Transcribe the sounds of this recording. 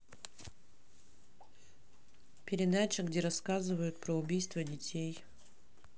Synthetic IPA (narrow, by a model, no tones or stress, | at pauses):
pʲɪɾʲɪd̪at͡ɕəɡdʲeɾɐskazɨvəjʊt̪̚pɾəʊbʲijst̪vədʲɪtʲej